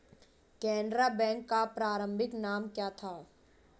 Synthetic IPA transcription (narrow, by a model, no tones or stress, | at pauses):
kɛ̃ːɳɖɾabɛ̃ːŋkːapɾaːɾə̃mbʱɪknaːmkjaːt̪ʰaː